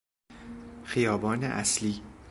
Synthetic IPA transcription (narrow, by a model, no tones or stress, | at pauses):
xijɒːbɒːnḛʔæ̰sliː